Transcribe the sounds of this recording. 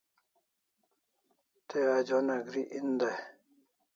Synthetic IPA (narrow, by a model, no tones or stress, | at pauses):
t̪ead͡ʒɔnaɡɾiʔind̪a